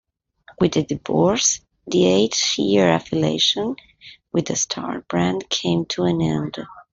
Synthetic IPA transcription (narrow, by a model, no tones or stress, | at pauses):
wɨðɨdɨvɔɹs | ðieɪt̪ɪɹæfɨlḛɪʃə̃n | wɨðɨstʰɑ̰ɹbɹæ̃ndkʰẽɪ̃mtʰuɨ̃nɛ̰̃nd